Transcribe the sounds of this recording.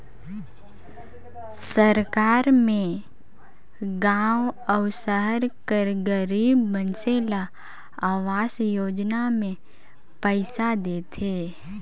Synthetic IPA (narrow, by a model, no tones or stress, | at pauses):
səɾkaːɾmẽ | ɡãːwɔʊsəɦəɾkəɾɡəɾiːbmənsela | aːʋaːsjoːd͡ʒnamẽ | pəɪsad̪eːt̪ʰeː